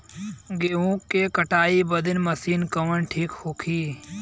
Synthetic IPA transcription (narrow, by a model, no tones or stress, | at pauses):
ɡeːũːkːekəʈaːibəd̪ɪnməsiːnkəʋənʈʰiːkhoːkʰiː